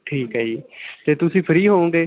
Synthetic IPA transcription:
ʈʰiːkɦaiːt̪eːt̪ʊsĩːpʰəɾiːɦoːõːɡeː

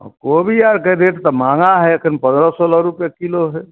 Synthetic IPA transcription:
ɔ̰kobʱiaɾkeɾeʈt̪ɔmãːŋaɦɛəkʰənpə̃nd̪ɾɔsɔlɔɾupjekiloɦɛ

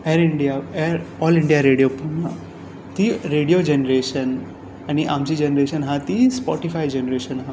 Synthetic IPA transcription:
ɛɾiɳɖijaɛɾɔliɳɖijaɾeɽijopunã | t̪iɾeɽijod͡ʒenɾeʃən | aniʔamt͡ɕid͡ʑenɾeʃənɦãt̪ispɔʈifajd͡ʑenɾeʃənɦã

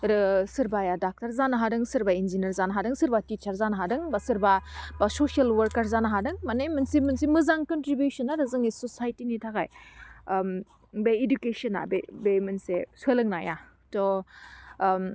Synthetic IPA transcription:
ɾɯsɯɾbajadak̚taɾzanaɦadɯŋsɯɾbainzinɐɾzanaɦadɯŋsɯɾbatit͡ʃʰaɾzanaɦadɯŋbasɯɾbabasosialwɐɾkaɾzanaɦadɯŋmanemɯnsimɯnsimɯzaŋkɔntɾibjusɔnaɾɯzɯŋisɔsajtinitʰaka̰j | m | beidukesɔna̰bebemɯnseswelɯŋnaja̰ | tɔ

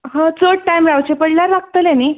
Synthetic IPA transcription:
ɦãt͡soɽ̚ʈajmɾawt͡ɕepəɽlaɾʋaɡ̚t̪əlãni

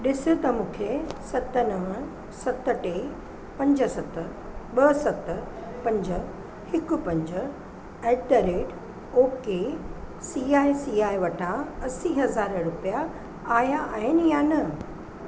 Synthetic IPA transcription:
ɗɪsʊt̪ɐmũːkʰesɐt̪ə̆nɐʋə̃ | sɐt̪ə̆ʈe | pɐ̃ɲd͡ʑə̆sɐt̪ə | ɓɐsɐt̪̆ | pɐ̃ɲd͡ʑə̆ | hɪkʊ̆pɐ̃ɲd͡ʑə | ɛʈ̪əɾeːɖ | oːke | siːaːisiːaːiʋɐʈʰãɐsiɦɐzaːɾɾʊpija | aːjaaːɦɪnɪ̆janɐ

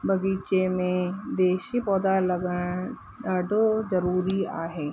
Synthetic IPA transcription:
bɐɡiːt͡ʃemẽd̪eːʃipɔːd̪alɐɡəɽ̃ | ɖaːɖʱozɐɾuːɾiaːɦeː

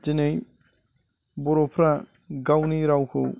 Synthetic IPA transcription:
d͡ʒinej | bɔɾopʰɾa | ɡawniɾawkʰo̰

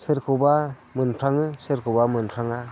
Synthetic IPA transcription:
sɯɾkʰɯba | mɯnpʰɾaŋɯsɯɾkʰubamɯnpʰɾaŋa

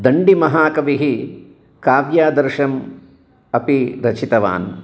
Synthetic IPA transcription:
d̪ɐɳɖimɐɦaːkɐʋiɦi | kaːʋjaːd̪ɐɾʃɐm | ɐpiɾɐt͡ʃit̪ɐʋa̰ːn

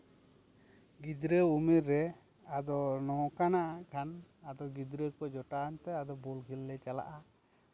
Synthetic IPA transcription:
ɡid̪ɾəumiɾːɛ | ad̪ɔnɔkanaʔakʰanad̪ɔɡid̪ɾəkɔd͡ʒɔʈant̪ɛad̪ɔbɔlɡʱilːɛt͡ʃala̰ʔa

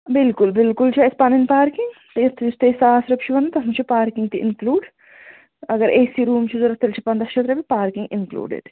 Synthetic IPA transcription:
bɪlkʊlbɪlkʊlt͡ʃʰaɪspɐnɪnpaːɾkiŋɡt̪it̪ʰːist̪eːsaːsɾɐp̚t͡ʃʰiʋɐnɐt̪ɐmt͡ʃʰipaːɾkɪŋɡt̪iʔɪ̰nkluːɖ | ɐɡəɾʔeːsiɾuːmt͡ʃʰizoɾɐt̪ːelt͡ʃʰipɐnd̪ɾɐʃʰɐt̪ɾɐbipaːɾkɪ̃ŋɡɪnklṵːɖɪ̰ɖ

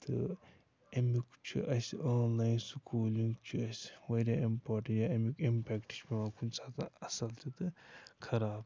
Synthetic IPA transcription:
t̪ɨ | ɐmikt͡ʃʰiʔɐsʲaːnlaːjnsukʰoːliŋɡt͡ʃʰiɐsʋɐɾaimpaːʈɐjaɐmikimpɛkʈi̥t͡ʃpimãːkʰunsʰaːt̪ɨɐsɐlt̪ʰit̪ɨkʰɐɾaːb

